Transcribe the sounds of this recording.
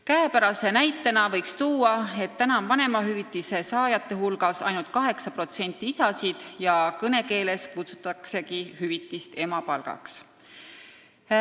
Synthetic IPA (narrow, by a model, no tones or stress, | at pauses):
kæepæɾɑse̞næjt̪ːˑenɑvɤ̞jkst̪uːɑe̞t̪ːænɑmvɑne̞mɑɦyvit̪ˑːise̞sɑːjɑt̪ːe̞ɦulɡ̥ɑsɑ̰jnult̪̚kɑɦe̞ksɑpro̞t̪se̞nʲt̪ːˑiisɑsid̪̥jɑkɤne̞ke̞ːle̞skut̪su̥t̪ːˑɑkse̞kihyvit̪ːˑist̪e̞mɑpɑlɡ̥ɑ̰ks